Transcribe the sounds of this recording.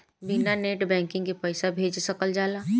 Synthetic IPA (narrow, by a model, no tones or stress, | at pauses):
binaneːʈbɛ̃ːŋkɪ̃ŋɡkipɛɪsabʱeːd͡ʒsɐkəld͡ʒaːlaː